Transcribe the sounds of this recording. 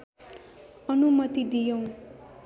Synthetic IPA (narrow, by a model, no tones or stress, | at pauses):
ʌnumʌt̪id̪ijʌw̃